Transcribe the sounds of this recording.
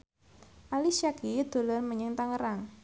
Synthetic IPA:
ʔalisakid̪̥o̤lʊrməɲɪŋt̪aŋəɾaŋ

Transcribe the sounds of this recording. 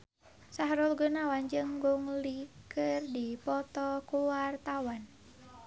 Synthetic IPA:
saɦɾʊlɡənawand͡ʒɨŋɡuŋlikʰɨrdipɔt̪ɔkuwart̪awan

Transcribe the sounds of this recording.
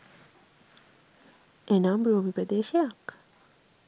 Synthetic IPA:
enamɾoʋipɾəd̪eːʃejak

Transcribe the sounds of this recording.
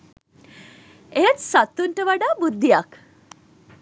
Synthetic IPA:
et͡ssat̪uɳʈəʋaɽabud̪ʱːijak

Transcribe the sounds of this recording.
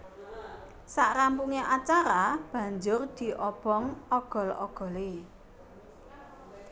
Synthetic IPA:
saʔɾampuŋeʔat͡ʃaɾab̥ä̤ɲd͡ʒʊrd̪̥i̤ʔɔb̥ɔŋɔɡ̥ɔ̤lɔɡ̥ɔ̤le

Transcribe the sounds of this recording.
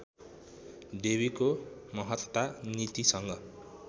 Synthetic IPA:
debikomʌɦʌt̪wt̪anit̪isʌŋɡʌ

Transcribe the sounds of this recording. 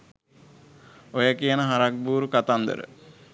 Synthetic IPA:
ojəkijənəɦaɾak̚buːɾukat̪and̪ə̰ɾə̰

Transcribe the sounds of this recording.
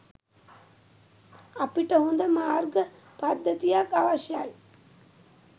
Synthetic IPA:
apiʈəhond̪əmaːrɡə | pad̪ːət̪ijakaʋaʃjaj

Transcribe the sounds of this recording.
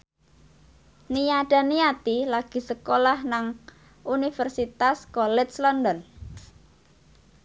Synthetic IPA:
nijaɖ̥a̤nijat̪ilaɡ̥i̤səkolahnaŋ | unifərsit̪askɔlɛtslɔnd̪ɔn

